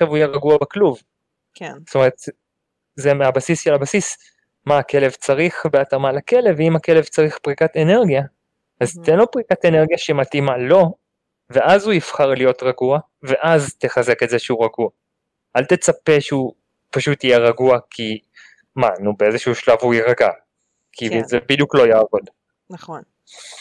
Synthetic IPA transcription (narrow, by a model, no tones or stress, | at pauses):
ʃavuijeʁaɡuabakluv | st̪ome̞ʁet̪ | zemeabasisʃelabasis | maːkʰe̞le̞vt͡saʁiχbeatamalake̞le̞vimake̞levt͡saʁiχpʁikatene̞ʁɡija | azt̪enlo̞pʁikate̞ne̞ʁɡjaʃematimalo̞ | ve̞ʔazhuifχaʁlijo̞tʁaɡua | ve̞ʔazt̪e̞χaze̞ke̞tzeʃeuʁaɡua | alt̪e̞t͡sape̞ʃeu | paʃut̪ːijeʁaɡuakʰi | manubeezeʃuuʃlavuiʁaɡa | kʰizebid̪juklo̞jaːvo̞d | naχn